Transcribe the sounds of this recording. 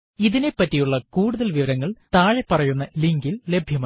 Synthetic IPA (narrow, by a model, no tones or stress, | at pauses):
iðine̞pːɐtːijuɭːɐkuːɽuðɐlʋiʋɐɾɐŋːɐɭt̪aːɻepːɐrɐjunːɐliŋɡille̞bʱjɐmɐ